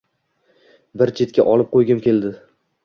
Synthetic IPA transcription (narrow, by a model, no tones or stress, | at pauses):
bɪɾt͡ʃʰe̞t̪̚kʲa̰ʔɒlˠɪp̚qʰojɡʲɪmkʲʰe̞ld̪ɪ